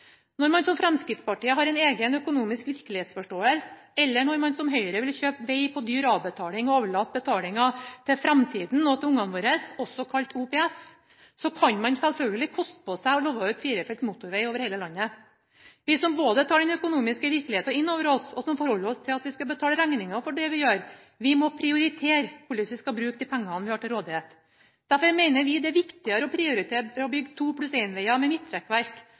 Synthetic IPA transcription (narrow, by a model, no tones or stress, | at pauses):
nɔɾmɑnsɔmfɾɛmskɾɪt̪spɑʈiːəɦɑɾɛɪneːɡənœkʊnuːmɪskʋɪɾkəlɪheːt̪sfɔʂʈoːəlsə | ɛlːəɳɔɾmɑnsɔmɦœʏəɾəʋɪlçøːpʋæɪpʰɔd̪yːɾɑːʋbət̪ʰɑːlɪŋɔoːʋəɭɑːt̪̚ːbət̪ʰɑːlɪŋɑt̪ʰɪfɾɛmt̪ʰiːd̪n̩ɔt̪ʰɛʊŋːɑnʋoːɾəsɔsːɔkʰɑlt̪uːpʰɛːɛsː | ɔkʰɑnmɑnsɛlfœlɡəlɪkʰɔst̪ə̥pʰɔsæɪɔloːʋɑʉːt̪fiːɾəfɛlt̪smuːt̪ʊɾʋeɪoːʋəɾheɪləlɑnːə | ʋɪsɔmboːd̪ət̪ʰɑːɖɛnœkʊnuːmɪskəʋɪɾklɪheːt̪ɑɪnːoːʋəɾɔsɔsɔmfɔɾhɔlːəɾɔst̪ʰɪlɑt̪ʋɪskɑbət̪ʰɑːləɾæŋnɪŋɑfɔɖɛʋɪjøːɾ | ʋɪmɔpʰɾɪʊɾɪt̪ʰeːɾpʰʊlɪt̪ɪskɑbɾʉːk̚d̪ɪpʰæŋːɑnʋɪhɑːʈɪlɾoːd̪ɪheːt̪ | d̪̥æɾfɔɾmɛɪnəɾʋɪd̪ɛæʋɪkt̪ɪɑɾəɔpʰɾɪʊɾɪt̪ʰeːɔbʏɡːt̪ʰuːpʰlʉseɪnʋɛɪɑmɛmɪt̪ːʰɾɛkːʋæɾk